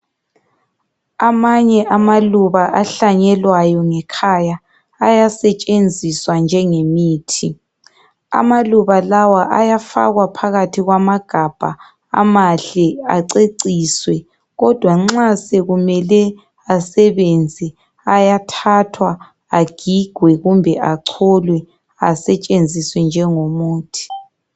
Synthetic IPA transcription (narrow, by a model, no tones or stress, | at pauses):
amaɲɛʔamaluβaʔaɬaɲɛlwajɔŋɛkʰaja | ajasɛt͡ʃʼend͡zʱiswand͡ʒʱɛŋemiːtʰi | a̰maluβalawaʔajafa̰ɣwapʰaɣatʰiɣwamaɡ̥ʱab̥ʱa̰ | a̰maɬɛa̰ǀeǀiːswɛ | ɣɔd̥ʱwaŋ͡ǁasɛɣumɛlɛ | asɛβend͡zʱi | ajatʰatʰwaː | ɡ̥ʱiɡ̥ʱwɛɣumbʱɛʔaǀʰɔlwɛ | a̰sɛt͡ʃʼend͡zʱiswɛnd͡ʒʱɛŋomuːtʰi̥